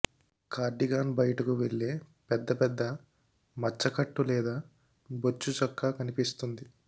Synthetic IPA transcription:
kʰaːɾɖiɡaːnbɐjɐʈɐkuʋeɭːeːpɛd̪ːɐpɛd̪ːɐ | mɐt͡ʃːɐkɐʈːulɛːd̪aː | bot͡ʃːut͡ʃɔkːaːkɐnipist̪und̪i

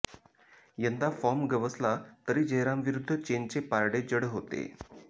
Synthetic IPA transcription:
jənd̪afɔmɡəʋəslat̪əɾiːd͡ʑəɦɾamʋiɾud̪ʱːət͡ɕeɲt͡sepaɾɽed͡ʑəɽɦot̪ḛ

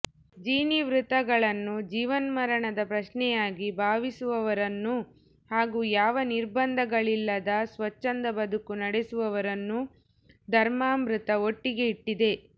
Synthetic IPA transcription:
d͡ʒiːniʋɾut̪ɐɡɐɭɐnːud͡ʒiːʋɐnmɐɾɐɳɐd̪ɐpɾɐʃnɛjaːɡibʱaːʋisuʋɐʋɐɾɐnːu | haːɡuːjaːʋɐniɾbɐnd̪ʱɐɡɐɭilːɐd̪ɐsʋɐt͡ʃːɐnd̪ɐbɐd̪ukunɐɽesuʋɐʋɐɾɐnːu | d̪ʱɐɾmaːmɾut̪ɐo̞ʈːiɡe̞iʈːid̪e̞

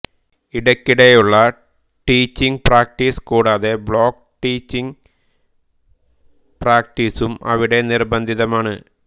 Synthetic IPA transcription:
iɽɐkːiɽejuɭːɐ | ʈiːt͡ɕːiŋɡpraːk̚ʈiskuːɽaːðe̞bɭo̞ːk | ʈiːt͡ɕːiŋ | praːk̚ʈiːsumɐ̰ʋiɽe̞nirbɐnd̪ʱiðɐmaːɳɨ

